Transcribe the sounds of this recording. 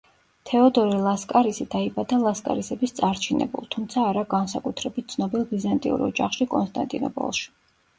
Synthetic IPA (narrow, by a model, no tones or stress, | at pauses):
t̪ʰɛɔd̪ɔɾilˠaskʼaɾisid̪aibad̪alˠaskʼa̰ɾisɛbist̪sʼaɾt͡ʃʰinɛ̰bṵlˠt̪ʰumt̪sʰaːɾaɡansakʼut̪ʰɾɛbit̪̚t̪sʰnɔbilˠɡizant̪ʼḭṵɾɔ̰d͡ʒa̰χʃikʼɔnst̪ʼa̰nt̪ʼinɔ̰pʼɔ̰lˠʃi̥